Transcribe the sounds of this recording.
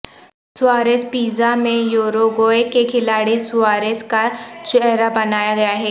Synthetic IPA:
sʊaːɾeːspiːzamẽjoːɾoɡoːekekʰɪlaːɽisʊaːɾeskat͡ʃɛɦɦɾabɐnaːjaɡɐjaɦɛː

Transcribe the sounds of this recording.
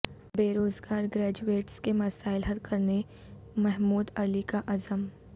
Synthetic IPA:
beːɾoːzɡaːɾɡɾɛːd͡ʒueːʈskemɐsaːɪlɦɐd̪̚kʰɐɾne | mɛɦmuːd̪ɐlikaʔɐzəm

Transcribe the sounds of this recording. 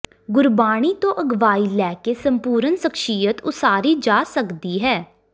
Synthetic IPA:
ɡʊɾbaːɽ̃iːt̪õːʔəɡʋaːiːlɛːkeːsəmpuːɾənsəkʃiːət̪ʊsaːɾiːd͡ʒaːsəkd̪iːɦɛː

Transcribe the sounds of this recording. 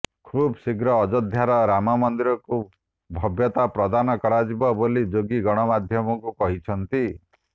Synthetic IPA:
kʰubsiɡɾɔːd͡ʒɔd̪ʱjaɾɔɾamɔmɔnd̪iɾɔku | bʱɔbjɔt̪apɾɔd̪anɔkɔɽad͡ʒibɔbolid͡ʒoɡiɡɔɽ̃ɔmad̪ʱjɔmɔkukɔɦit͡ʃʰɔnt̪i

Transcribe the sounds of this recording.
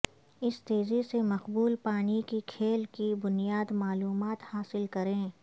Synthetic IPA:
ɪst̪eːzisemɐqbuːlpaːɽikikʰeːlkibʊnijaːd̪maːluːmaːt̪haːsɪlkɐɾẽː

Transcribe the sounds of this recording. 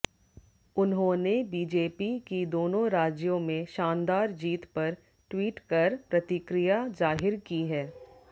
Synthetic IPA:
ʊnɦõnebiːd͡ʒeːpikid̪oːnõɾaːd͡ʒjõmẽʃãːnd̪aːɾd͡ʒiːt̪pɐɾ | ʈwiːʈkɐɾpɾɐt̪ɪkɾijazaːɦɪɾkiɦɛː

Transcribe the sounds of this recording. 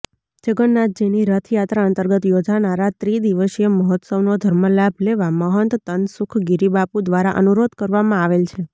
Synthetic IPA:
d͡ʒəɡənːat̪̚d͡ʒeniɾət̪ʰjat̪ɾaənt̪əɾɡət̪jod͡ʒanaɾat̪ɾid̪iʋəʃeməɦɔt̪səʋnod̪ʱəɾməlabʱleʋaməɦənt̪t̪ənsʊkʰɡiɾibapud̪ʋaɾaʔə̰nuɾod̪kəɾʋamãaʋelt͡ʃʰe

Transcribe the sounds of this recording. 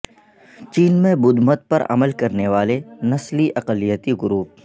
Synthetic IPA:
t͡ʃiːnmẽbʊd̪mət̪̚pɐ̰ɾɐ̰məlkɐɾneʋaːlenɐsliʔɐqəlijət̪iɡʊɾuːp̚

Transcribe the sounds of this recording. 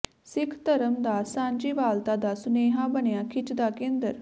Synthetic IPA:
sɪkʰt̪əɾəmd̪aːsãːɲd͡ʒiːʋaːlt̪aːd̪aːsʊneːɦãːbənejãːkʰɪt͡ʃd̪aːkẽːnd̪əɾ

